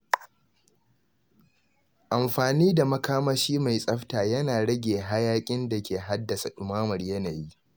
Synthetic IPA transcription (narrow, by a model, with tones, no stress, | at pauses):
ʔa˨mɸaː˨niː˦da˨mɐ˦kaː˦maː˦ʃiː˦ma˨jsʼɐ˦ɸtaː˨jɐ˦naː˨ɽɐ˦ɡʲeː˨ɦa˦jaː˦kʲʼɪ˦nda˨kʲeː˨ɦa˦dːɐ˨sa˨ʔʊ˨maː˦mɐ˨rjɐ˦na˨ji˦